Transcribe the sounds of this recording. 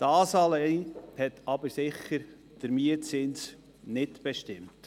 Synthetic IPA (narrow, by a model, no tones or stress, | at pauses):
d̥ɑːsɑːleɪhɛtɑbəɾsɪχːəɾ | d̥əɾmiətt͡sɪns | nɪtb̥ɛʃtɪmt